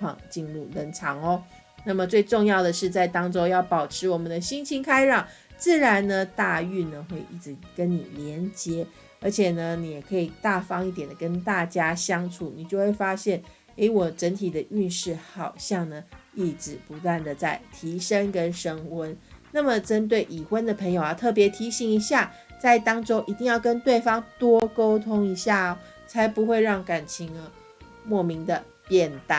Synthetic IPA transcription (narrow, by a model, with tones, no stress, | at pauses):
ɑ̰˥˧˩ŋt͡ɕi˥˧nlu˥˩lə˧˥˩nʈ͡ʂʰɑ˧˥ŋɔ˦ | na˥˩mə˨t͡swe˥˧ɪʈ͡ʂo˥˧ŋjɑ˥˩ʊd̪ə˩ʂɻ̩˥˧t͡sa˥˩ɪt̪ɑ˥ŋʈ͡ʂo˥jɑ˥˩ʊpɑ˨˩ʊʈ͡ʂʰɻ̩˧˥wɔ˨˩mə˨˦nd̪ə˧ɕi˥ŋt͡ɕʰi˥ŋkʰa˥ɪɻɑ˥˩ŋ | t͡sɹ̩˥˩ɻa˧˦nnə˧t̪a˥˧y˥˩nə˩xwe˥˧ɪʔi˥˩ʈ͡ʂɻ̩˧˦kə˦˥nni˨˩ljɛ˧˥nt͡ɕjɛ˧˥ | ə˞˧˥t͡ɕʰjɛ˨˩nə˦ni˨jɛ˨˩kʰɤ˧˥i˨˩t̪a˥˩fɑ˥ŋi˥˩t̪jɛ˨˩nd̪ə˩kə˥nt̪a˥˩t͡ɕja˥ɕjɑ˥ŋt͡sʰu˨˩ni˨˩t͡ɕjo˥˧ʊxwe˥˩ɪfa˥ɕjɛ˥˩n | e˧˥ɪwɔ˨˩ʈ͡ʂə˧˥nt̪ʰi˨˩d̪ə˦y˥˧nʂɻ̩˥˩hɑ˨˩ʊɕjɑ˥˩ŋnə˩i˥˩ʈ͡ʂɻ̩˨˩pu˧˥t̪wa˥˩nd̪ə˩t͡sa˥˩ɪt̪ʰi˧˥ʂə˦ŋkə˦˥nʂə˦ŋwə˦˥nna˥˩mə˨ʈ͡ʂə˦nt̪̬we˥˩ɪʔi˨˩xwə˦nd̪ə˨pʰə˧˥ŋjo˨ʊa˨˩t̪ʰɤ˥˩p̬jɛ˧˥t̪ʰi˧˥ɕi˧˥ŋi˧˥ɕja˥˨ | t͡sa˥˩ɪt̪ɑ˥ŋʈ͡ʂo˥ʊʔi˨t̪i˥˧ŋjɑ˥˩ʊkə˦nt̪we˥˩ɪfɑ˥ŋt̪wɔ˥ko˥ʊt̪ʰʊ˥ŋi˧˥ɕja˥˩ɐ˩ | t͡sʰa˧˥ɪpu˧˥xwe˥˧ɪɻɑ˥˩ŋka˨˩nt͡ɕʰi˧˥ŋə˧˦ | mwɔ˥˩mi˧˥ŋd̪ə˨ | pjɛ˥˨nt̪a˥˩